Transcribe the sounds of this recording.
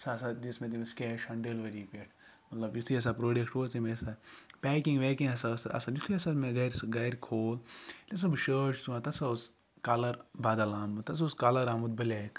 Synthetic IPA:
sasad͡ʒismẽt̪̬imeskʲeːʃɐɳɖelʋɐɾipeːʈʰ | mɐt̪lɐbjut̪ʰiɐs̬apɾoːɖekʈoːt̪imesapɛːkĩŋɡʋeːkĩɐsasɐ̰sad͡ʒit̪ʰiɐsameɡɐjɾsɡɐjɾkʰoːlles̬ɐbɨʃəːt͡ʃsuãt̪ɐsaus | kaːlɐɾbaːd̪ɐlaːmut̪ɐs̬auskaːlɐɾaːmud̪bɐleːk

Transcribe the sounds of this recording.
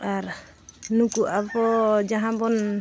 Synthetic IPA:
aɾ | nukuʔapɔd͡ʒaɦãbɔn

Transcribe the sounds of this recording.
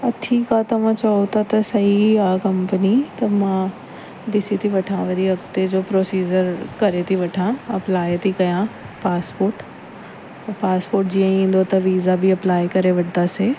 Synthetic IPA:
ɐʈʰikat̪ɐʋ̤ãt͡ʃɐot̪ʰat̪ɐsɐɦiaːkɐ̃mpənit̪ɐmã | d̪ɪsit̪ʰiʋɐʈʰãʋɐɾiɐkt̪ed͡ʑoːpɾoːsiːd͡ʒəɾkɐɾet̪ʰiʋɐʈʰãɐplaːjt̪ʰikɐjã | paːspoːɾʈː | paːspoːɾʈ̚d͡ʒiãĩːnd̪ot̪ɐʋiːzabʱiɐplaːjkɐɾeʋɐʈd̪aseː

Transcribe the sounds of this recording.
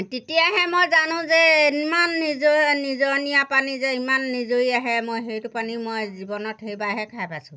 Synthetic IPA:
tetijaɦɛmojzanʊ̃zɛmanːizoːizɔɹnijapanizɛimanːizoiaɦɛmojɦejtʊpanimojzibɔnɔthejbaɦɛkʰajpasʊ̃

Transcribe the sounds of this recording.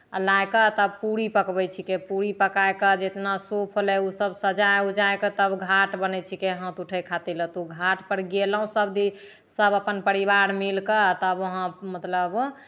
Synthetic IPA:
lajkət̪əbpuɾipəkbɛt͡ʃʰikepuɾipəkajkəd͡ʒet̪nasopʰolɛusəbsəd͡ʒajud͡ʒajkət̪əbɡʱaʈbənɛt͡ʃʰikeɦə̃t̪uʈʰəjkʰat̪ilət̪uɡʱaʈpəɾɡeləɦũsəbd̪i | səbəpənpəɾibaɾmilkət̪əbəɦə̃mət̪ləb

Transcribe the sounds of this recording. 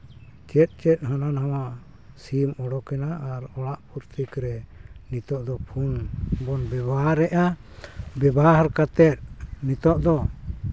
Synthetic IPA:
t͡ʃɛt̪̚ˀt͡ʃɛt̪̚ˀɦananɦawa | simɔɽɔkɛnaʔaɾɔɽaʔpuɾt̪ʰikɾɛnit̪ɔʔd̪ɔpʰunbɔnbɛbaɦaɾɛʔa | bɛbaɦaɾkat̪ɛt̪̚nit̪ɔʔd̪ɔ

